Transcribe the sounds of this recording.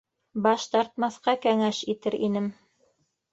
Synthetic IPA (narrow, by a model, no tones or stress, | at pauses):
bɑʃt̪ɑɾt̪̚mɑθqɑkæŋæʃit̪ɘɾḭnɘm